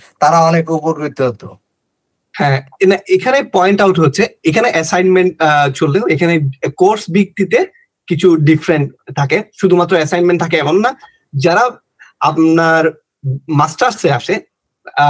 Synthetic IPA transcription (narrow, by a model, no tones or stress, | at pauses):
t̪aɾaɔnekupoɾit̪oɦot̪o | hɛ̃naekʰanepɔjɳʈawʈɦotːɕʰeekʰaneʔɛsajnmeɳʈ̚t͡ɕʰolt̪eekʰanekoɾsbik̚t̪it̪e | kit͡ɕʰuɖifɾeɳʈt̪ʰːakeʃud̪ʱumat̪ːɾoɛsajnmẽɳʈt̪ʰakeɛboŋna | d͡ʑaɾa | apnaɾ | masʈaɾseaʃe